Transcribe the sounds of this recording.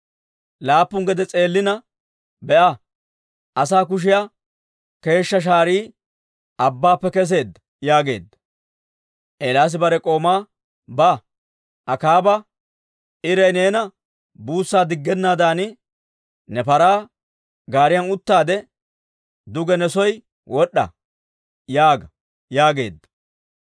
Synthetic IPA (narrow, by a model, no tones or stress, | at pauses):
laːpːʊŋɡɛd̪ɛt͡sʼe̞ːlːɪnɐ | bɛʔɐ | ʔɐsaːkʊʃ̬ɪja | ke̞ːʃːɐʃ̬aːɾiː | ɐbːaːpːɛkɛs̬e̞ːd̪ɐ | jaːɡe̞̰ːd̪ːɐ | ʔeːlaːs̬ɪbɐɾɛkʼo̞ːmaː | bɐ | ʔɐkaːbɐ | ʔɪɾɐjne̞ːnɐ | buːsːaːd̪ɪɡːɛnːaːd̪aːnɪ | nɛpɐɾaː | ɡaːɾɪjɐnʊt̪ːaːd̪ɛ | d̪ʊɡɛnɛsɔj | wɔɗːɐ̰ | jaːɡɐ | jaːɡe̞̰ːd̪ːɐ̥